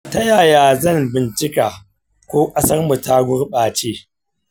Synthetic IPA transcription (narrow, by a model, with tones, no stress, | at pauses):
tɐ˦jaː˨jaː˨zɐ˦˨mbɪ˨nt͡ʃɪ˦kaː˨ | kʷoː˦kʼɐ˦sɐ˦rmu˨ta˦ɡʷʊ˦rɓaː˨t͡ʃeː˦